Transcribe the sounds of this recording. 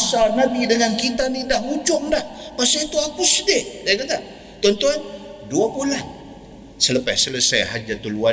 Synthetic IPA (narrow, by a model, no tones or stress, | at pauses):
sanabidəŋankit̪anidahud͡ʒʊŋdahpasait̪uakʊsdɪdakat̪a | t̪ɔnt̪uan | duapulan | sələpa̰sələseɦa̰t̪̚d͡ʒat̪ulua